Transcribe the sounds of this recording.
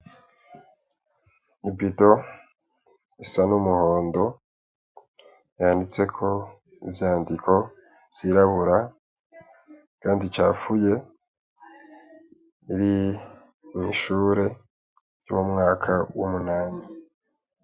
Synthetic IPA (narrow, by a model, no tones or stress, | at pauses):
ibito̞ | isanumuho̞ːndo̞ | jaːndit͡se̞kʰo̞ | ḭvjaːndikʰo̞ | v̥jiːɾaβuɾa | kaːndit͡ʃaːfuje̞ | iɾi | miʃuːɾe̞ | jumumŋaːkʰawumunaːni